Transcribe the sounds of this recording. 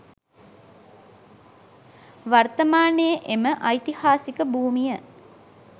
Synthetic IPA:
ʋart̪əmaːnejəʔeməʔajt̪ihaːsikəbuːmijə

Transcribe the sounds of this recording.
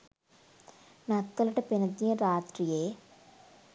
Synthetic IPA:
nɐt̪ːɐlɐʈɐpinɐd̪ɐɾaːt̪ɾijeː

